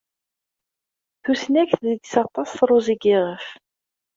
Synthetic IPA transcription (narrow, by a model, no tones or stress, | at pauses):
θusnæçθðid̪sɑt̪ˤːɑsθɾˤuziɡɪʁəf